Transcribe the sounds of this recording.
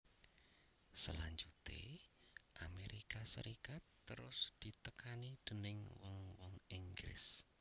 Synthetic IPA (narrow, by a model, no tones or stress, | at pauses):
səlaɲd͡ʒut̪ḛ | ʔameɾikasəɾikat̪ːəɾʊ̰sd̪̥i̤t̪əkanid̪̥ənɪŋwɔŋwɔŋiŋɡɾɪ̰s